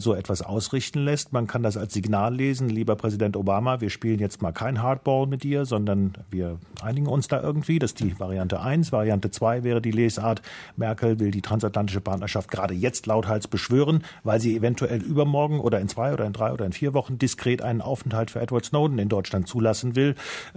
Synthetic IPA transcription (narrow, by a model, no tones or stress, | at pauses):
zoːɛtv̥asʔa̰ʊsʁɪçtn̩lɛstmankʰandas̬alsz̥iɡnaːlːeːzn̩liːbɐpʁ̥ɛzidɛntobaːmaviːɐʃpiːlənjɛt͡stmaːlkʰaɪnɦaɐt̚b̥ɔːlmɪtʔiːɐzɔndɐnviːɐʔa̰ɪnɪɡŋ̩ʊnsd̥aːʔɪ̰ɐɡŋ̩tv̥iːdasd̥iːvaʁ̞ijantə̰ʔaɪnsv̥aʁiantət͡sv̥aɪvɛːʁədiːleːsʔaːɐtmɛɐkl̩vɪldiːtʁ̥ansatlantɪʃəpʰaɐtnɐʃaft̚ɡ̥əʁaːdəjɛt͡stlaʊthalsb̥əʃv̥øːʁ̞ənvaɪlziːevɛntʰuʔɛlʔyːbɐmɔɐɡŋ̩ʔo̰ːɾɐɪnt͡sv̥aɪʔoːdɐɪndʁaɪo̰ːdɐɪnfiːɐvɔχn̩dɪskʁ̥eːtʔa̰ɪnənʔa̰ʊfɛn̩thaltfyːɐʔɛtv̥aɐtsnoʊdn̩ɪndɔʏt͡ʃlantt͡suːlasn̩vɪl